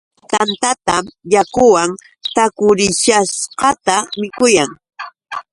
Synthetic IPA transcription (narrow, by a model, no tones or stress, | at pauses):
t̪ant̪at̪amjakʊwaŋ | t̪akʊɾɪʃasqɑt̪amɪkʊjaŋ